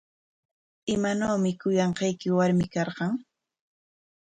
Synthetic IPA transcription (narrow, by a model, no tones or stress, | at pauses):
ɪmanoːmɪkʊjɑɴqɑjkɪwaɾmɪkɑɾɢɑŋ